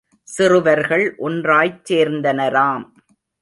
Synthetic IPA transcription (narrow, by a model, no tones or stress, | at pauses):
sɪrɯʋɐɾɣɐɭʔɔndraːjt͡ʃeːɾnd̪ɐnɐɾaːm